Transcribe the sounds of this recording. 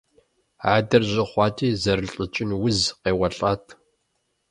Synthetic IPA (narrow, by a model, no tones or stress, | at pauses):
aːdɐrʑɪχʷɑːtʰiːzɐɾɨɬɬʼət͡ʃʼɪnwʊzqeːwɐɬʼaːtʰ